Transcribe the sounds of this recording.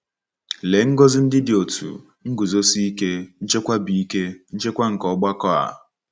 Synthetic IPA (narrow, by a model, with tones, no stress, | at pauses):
le˨ŋ̩˦ɡo˦zɪ˦n̩˦dɪ˦dɪ˨o˨tʰṵ˨ | ŋ̩˦ɡu˨zo˦si˦i˦ke˦n̩˦t͡ʃe˦kʷa˦bi˦i˦ke˦n̩˦t͡ʃe˦kʷa˦ŋ̩˨kɔ˨˦ɡ͡ba˦kɔ˦a̰˨